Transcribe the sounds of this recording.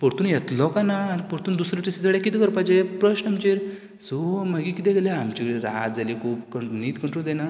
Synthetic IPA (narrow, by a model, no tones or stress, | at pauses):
pɔɾt̪uːnjet̪lɔkanaːnipɔɾt̪uːnd̪usɾɔʈisid͡zəɽakit̪ikəɾpad͡ʑepɾəɕnamt͡ɕeɾ | soməɡikit̪ɛ̃ɡleamt͡ɕiɾa̰d͡zalikʰuːpkəɳniːt̪kəɳʈɾud͡zana